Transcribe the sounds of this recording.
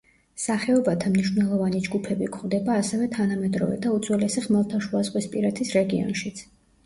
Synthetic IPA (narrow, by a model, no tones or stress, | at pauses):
saχɛɔbat̪ʰamniʃvnɛlˠɔvanid͡ʒɡupʰɛbikʰχvd̪ɛbaːsɛvɛt̪ʰanamɛd̪ɾɔ̰vɛ̰d̪aut̪zʰʼwɛlɛsiχmɛlˠt̪ʰaʃuazʁʼwispʼiɾat̪ʰisɾɛɡiɔ̰nʃit̪sʰ